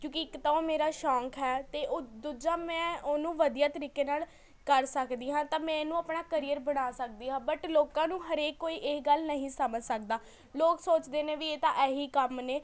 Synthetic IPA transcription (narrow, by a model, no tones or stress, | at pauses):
kjõːkɪɪkt̪aõːmeːɾaːʃãːŋkʰɦɛːt̪eːd̪ud͡ʒãːmɛ̃ːoːnũːʋəd̪ijaːt̪əɾiːkeːnaːl | kəɾsəkd̪iːɦãːt̪ãːmɛ̃ːenũːaːpɳaːkəɾijəɾbəɽaːsək̚d̪iːɦãːbəʈloːkãːnũːɦəɾeːkːoːiːʔeɡəlnəɦĩːsəməd͡ʒsək̚d̪aː | loːksoːt͡ʃd̪eːnẽːʋiːeːt̪ãːʔɛːɦiːkəmneː